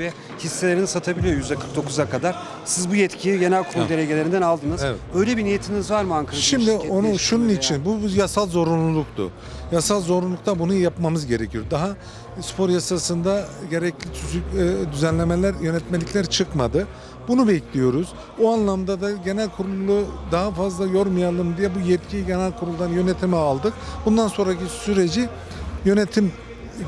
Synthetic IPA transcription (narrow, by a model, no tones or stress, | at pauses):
vɛ | hisːelʲeɾinisat̪ʰabilʲijo̞ɾjyzd̪ɛkʰɯɾk̚d̪o̞kʰuzakʰad̪aɾ̥ | sizbujɛt̪cʰiliɟe̞nælʲkʰuɾud̪elʲeɟe̞lʲeɾind̪ænalˠd̪ɯnɯzevɛ̰t̪øjlʲɛbinijet̪ʰimizvaɾmaŋkʰaʃimd̪io̞nuʃununit͡ʃʰinbujasalˠzo̞ɾunlˠulˠuk̚t̪ʊ̰ | jasalˠzo̞ɾunlˠuk̚t̪ʰabunujapmamɯzɟe̞ɾecʰijo̞ɾd̪aɦa | spʰo̞ɾjasasɯnd̪aɟe̞ɾɛclʲit͡ʃʰyzyd̪yzænlʲe̞melʲæɾjø̞nɛt̪me̞lʲicʲlʲæɾt͡ʃʰɯkmad̪ɯ | bunubejclʲijo̞ɾuz̥ | uanlˠamd̪ad̪aɟe̞nælʲkʰuɾulˠlˠud̪aɦafazlˠajo̞ɾmujalˠɯmd̪ijɛbujɛt̪cʰiɟe̞nælʲkʰuɾulˠd̪anjø̞net̪ʰimialˠd̪ɯkbund̪anso̞nɾacʰisyɾe̞d͡ʒi | jø̞net̪ʰim